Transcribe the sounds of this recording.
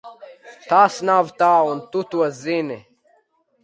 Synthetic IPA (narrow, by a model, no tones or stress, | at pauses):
t̪aːsnaːvt̪aːunt̪ut̪uwɐzine